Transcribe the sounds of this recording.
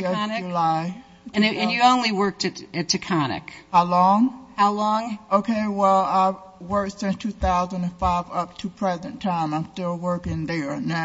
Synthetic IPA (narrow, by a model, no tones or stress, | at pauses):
nɨɨlaɪ | ɨ̃nɨ̃njɨõʊ̃nliwɜ˞k̚tɨɾɨtʰɨkʰɑnɪ̰khaʊlɔ̃ŋhaʊlɔ̃ŋʔoʊkʰeɪwɛlˠaɪ | wɜ˞ksɪ̃nstʰʉθaʊzɨ̃ndɨ̃nfaɪvʌp̚tʰɨpʰɹ̥ɛzɨ̃ntʰãɪ̃mãɪ̃mstɪlˠwɜ˞kɪ̃ŋðə˞n